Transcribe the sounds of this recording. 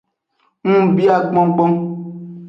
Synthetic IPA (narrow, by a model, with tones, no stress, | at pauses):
ŋ̩˦˨bi˦a˨ɡ͡bɔ̃˦ŋ̩˦k͡pɔ˦